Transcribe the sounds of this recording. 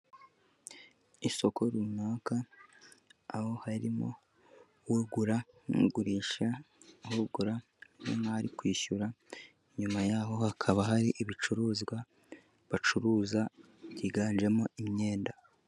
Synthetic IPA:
iso̞kʰo̞ɾumaːka | ho̞haɾḭmo̞̰ | wuɡuɾa | nṵɡuɾiːʃa | huɡuɾa | o̰naaɾikwiːʃuɾa | iɲumajaːɦo̞hakʰaβaɦaɾiʔiβit͡ʃuɾuːzɡwa | βat͡ʃuɾuːza | ɟiɡaːnd͡ʒe̞mo̞ʔimɲe̞ːnda

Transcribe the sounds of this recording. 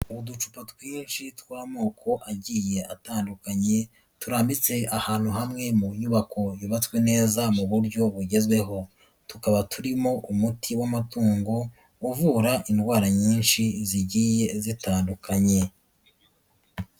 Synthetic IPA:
uβudut͡ʃu̥patwiːnʃitwaːmo̞ːkʰo̞ʔaɟiːje̞ataːndukaɲe̞ | tuɾaːmbit͡se̞ahaːn̥huɦamŋe̞muɲuβakʰo̞juβat͡swe̞ne̞ːzamuβuɾɟo̞βuɟe̞zwe̞ɦo̞ | tukaβatʰuɾimo̞ʔumutʰiwamatuːŋɡo | uvuːɾaʔindɡwaːɾaɲiːnʃiziɟiːje̞zitaːndukʰaɲe̞

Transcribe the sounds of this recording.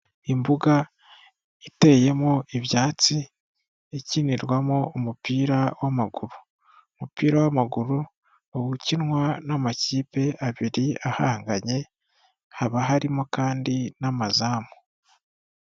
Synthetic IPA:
imbuɡa | ite̞je̞moiβjaːt͡si | eciniɾwamoomupiːɾawʔamaɡuɾu | omupiːɾawamaɡuɾu | owucinwanamaciːpe̞ʔaβiɾiahaːŋɡaɲe̞ | haβaɦaɾimokaːndinamazaːmo

